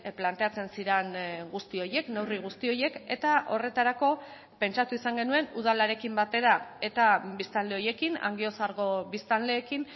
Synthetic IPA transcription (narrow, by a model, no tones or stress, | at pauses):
plant̪e̞at͡se̞nsiɾenɡust̪io̞je̞kne̞wriɣ̞ust̪io̞je̞ke̞t̪aʔo̞re̞t̪aɾako̞ | pe̞nt͡ʃat̪uisaŋɡe̞nue̞nuð̞alaɾe̞kimbat̪e̞ɾae̞t̪abist̪ald̪e̞o̞je̞kina̰ŋɡio̞saɾɣ̞o̞βist̪alle̞ːkin